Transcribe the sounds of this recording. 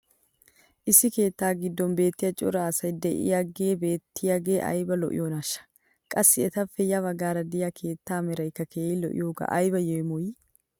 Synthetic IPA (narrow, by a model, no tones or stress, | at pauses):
ʔɪsːɪke̞ːt̪ːaːɡɪd̪ːɔmbe̞ːt̪ːɪjɐt͡ʃʼɔ̰ɾaːsɐjd̪ɛʔɪ̰jɐɡe̞ːbe̞ːt̪ʰːɪjɐɡeːʔɐ̰jbɐlɔ̰ʔɪ̰joːnɐʃːɐ̥ | kʼɐsːɪɛt̪ɐfːɛjɐβɐɡaːɾɐd̪ɪjakʰe̞ːt̪ːaːmɛɾɐjkːɐkʰeːlɔ̰ʔɪ̰joːɡa̰ʔɐjbɐjɛjmɔj